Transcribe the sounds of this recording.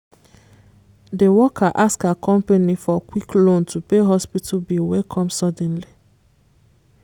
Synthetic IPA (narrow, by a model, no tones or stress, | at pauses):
dewɔkʰaʔaskakʰɔ̃mpanifɔkwiklõntʰupeɦɔspitʰubilwɛlkʰɔ̃msɔdɛ̃nli